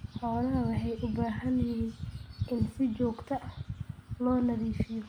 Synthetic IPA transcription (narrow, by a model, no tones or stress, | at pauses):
ħɔːlɐɦɐwɑħɑjʔʊbaːɦɐnjɪhiːnʔɪnsɪt͡ʃɔːɡt̪ʰɐʔɐhlɔːnɐðiːfɪjɔ